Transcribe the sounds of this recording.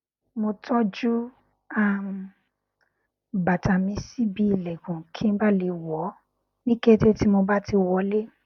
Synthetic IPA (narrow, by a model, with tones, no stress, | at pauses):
mo˧tʰɔ˦d͡ʒu˦ | a˦m̩ | ba˨ta˨mĩ˧si˦bi˧i˨lɛ˨ɡũ˨kʰi˦n̩˦ba˦le˧˦wɔ˨˦ | nĩ˦ke˦te˦ti˦mo˧ba˦ti˧wɔ˧˦le˦